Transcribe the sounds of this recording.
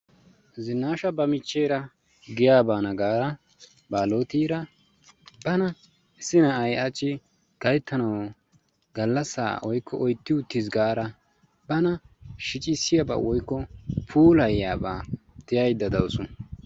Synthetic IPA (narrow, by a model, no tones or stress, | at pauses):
zɪnːaːʃɐbɐmɪt͡ʃːejɾɐ | ɡɪjaːbaːnɐɡaːɾɐ | baːloːt̪iːɾɐ | b̥ɐnɐ | ɪsːɪnɐɐjɐt͡ʃːɪ | ɡ̥ɐjt̪ːɐnɐw | ɡɐlːɐsːa̰ːwɔjkːɔʔɔjt̪ːɪʊt̪ːɪzɡaːɾɐ | bɐnɐʃɪt͡ʃʼɪsːɪjɐba̰ːwɔjkːɔpʰuːlɐjjaːba̰ː | t̪ɪjɐjd̪ːɐd̪ɐwsʊn